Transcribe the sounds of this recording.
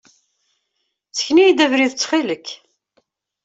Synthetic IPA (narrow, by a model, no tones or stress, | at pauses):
t͡sːə̥çnijd̪ævɾiðt͡sːχiləkː